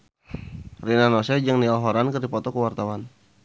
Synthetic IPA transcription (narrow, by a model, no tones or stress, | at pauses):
rinanɔsɛd͡ʒəŋnialɦɔɾankərdipɔt̪ɔkəwart̪awan